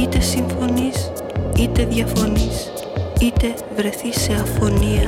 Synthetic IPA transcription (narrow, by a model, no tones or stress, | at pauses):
it̪e̞siɱfo̞nis | it̪e̞ðʝɐfo̞nis | it̪e̞ | vɾe̞θise̞ɐfo̞niɐ